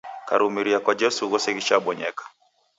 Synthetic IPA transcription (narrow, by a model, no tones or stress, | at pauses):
kaɾumiɾiakwad͡ʒɛsuɣɔsɛɣiʃaɓɔɲɛ̰kḁ